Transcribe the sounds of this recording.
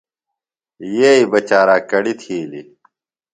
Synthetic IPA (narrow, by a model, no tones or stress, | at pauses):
jeːibɐt͡ɕaːɾaːkɐɽit̪ʰiːlḭ